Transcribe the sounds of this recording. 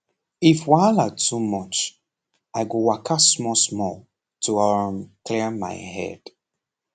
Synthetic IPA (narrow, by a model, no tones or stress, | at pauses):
ifwaɪlatʰumʌt͡ʃ | aɪɡowakʰasmɔsmɔl | tʰuɔmklima̰ɪhɛ̰d̥